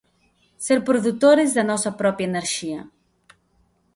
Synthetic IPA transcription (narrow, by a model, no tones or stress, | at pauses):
seɾpɾoðut̪oɾɪzðɐnɔsɐpɾɔpjaeneɾʃiɐ